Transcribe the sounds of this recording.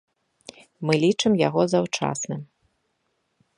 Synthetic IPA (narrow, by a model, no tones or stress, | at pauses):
mɨlʲit͡ʂɨmja̰ɣɔzawt͡ʂa̰snɨm